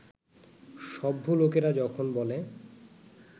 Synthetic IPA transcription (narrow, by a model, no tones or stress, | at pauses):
ʃɔbʱːolokeɾad͡ʑɔkʰonbɔle